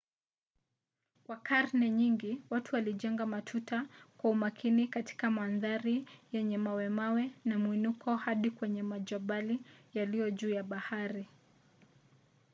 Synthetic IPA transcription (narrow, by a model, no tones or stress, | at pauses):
kwakaɾnɛɲiŋɡiwatuwaliʄɛŋɡamatʰutakwaumakʰinikati̥kamanðaɾijɛɲɛmawɛmawɛnamwinukʰɔhaɗikwɛɲɛmaʄɔɓalijalijɔʄuːjaɓahaɾi